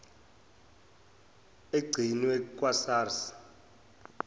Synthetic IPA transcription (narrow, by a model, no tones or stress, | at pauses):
eɡ͡ǀʱiniwɛkʼwasaːrsi̥